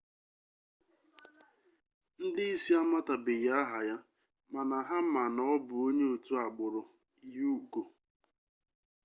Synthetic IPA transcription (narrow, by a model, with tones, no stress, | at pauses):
n̩˦dɪ˦i˦si˦a˦ma˦ta˨bɪ˨ja˦ɦa˨ja˦ | ma˨na˨ɦa˦m̩˦ma˨nɔ˦bʊ˨o˦ɲe˦o˨tu˦a˨ɡ͡bʊ˨ɾʊ˨˦ | ju˦ko˨